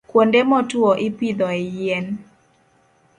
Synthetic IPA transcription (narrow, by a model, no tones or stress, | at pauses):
kwondemɔtwoʔipid̪ɔɛjen